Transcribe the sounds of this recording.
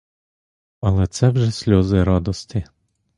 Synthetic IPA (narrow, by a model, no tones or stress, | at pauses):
ɐlˠɛt̪sɛwʒɛsʲlʲɔzɪɾɑd̪ɔst̪ɪ